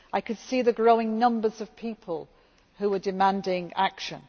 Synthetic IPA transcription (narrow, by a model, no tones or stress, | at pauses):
ʔaɪkʰɨd̥siːðɨɡɹoʊɪ̃ŋnʌ̃mbəzəv̥pʰiˑpʰəlˠ | hʉwədɪmæ̃ndɪ̃ŋakʃə̃n